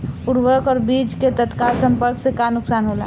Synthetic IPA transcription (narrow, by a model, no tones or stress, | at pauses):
puɾʋəɾkɔːɾbiːd͡ʒket̪ət̪kalsə̃mpəɾksekanʊksaːnɦola̰